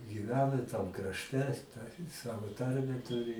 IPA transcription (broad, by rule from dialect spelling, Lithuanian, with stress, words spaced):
ɡʲiːˈʋʲæːnɐ ɪ tɐm krɐʃʲˈtʲɛ tɐ ɪ ˈsɑːʋoː ˈtɐrʲmʲæː ˈtʊrʲɪ